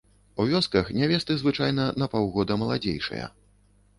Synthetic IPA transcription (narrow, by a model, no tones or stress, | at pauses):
uvʲɔskɐxnʲavʲɛst̪ɨzvɨt͡ʂajnɐnɐpawɣɔd̪ɐmɐlˠad͡zʲḛjʂɐ̰jɐ̰